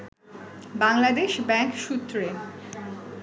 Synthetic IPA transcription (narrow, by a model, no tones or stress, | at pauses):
baŋlad̪eʃbɛŋkʃut̪ːɾe